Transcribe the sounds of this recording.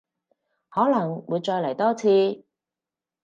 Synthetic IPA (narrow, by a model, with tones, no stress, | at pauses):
hɔː˨˥lɐ˨˩ŋwuː˨˧jt͡ʃɔː˧jlɐ˨˩jt̪ɔː˥t͡sʰiː˧